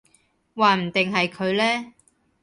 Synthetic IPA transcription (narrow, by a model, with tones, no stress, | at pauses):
waː˨m̩˨˩t̪ɪ˨ŋɦɐ˨jkʰɵ˨˧ɥlɛː˥